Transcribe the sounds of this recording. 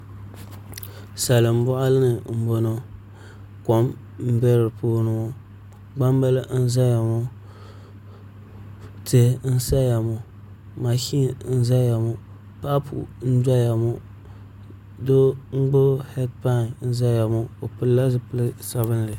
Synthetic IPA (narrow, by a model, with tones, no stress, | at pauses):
sa˨lɨ˨m̩˦bʊ˦ʔa˦lɨ˦nɨ˨m̩˨bo˦no˦ | ko˦m | m̩˦bɛ˦ɾɨ˨poː˦nɨ˨ŋo˦ | ɡ͡ba˦mba˦lɨ˦n̩˦za˦ja˨mo˦ | te˦n̩˦sa˦ja˨mo˨ | ma˨ki˦˨n̩˦za˦ja˨mo˦ | pa˦pṵ˨n̩˦d͡ʒa˦ja˨mo˦ | do˦ŋ͡m̩˦ɡ͡bʊ˦hɛ˦dpa˦˨n˨˦n̩˦za˦ja˨mo˦o˨pɨ˦lla˦zɨ˦pɨ˦lsa˦βɨ˦n˨lɨ˨